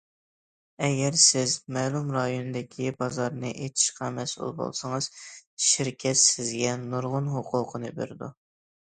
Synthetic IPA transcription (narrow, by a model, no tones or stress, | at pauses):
ɛɡʲɛɾsɪzmɛlˠumɾɑjonɨd̪ɪkʲʰibɑzɑɾnɨʔet̪ʰɪ̥ʃqɑmɛsṵlˠbo̰lˠsɑŋəz̥ʃiɾkʲʰɛt̪sɪzɡʲɛnuɾʁʊnɦoqʰʊːqʰənɨbḛɾd̪u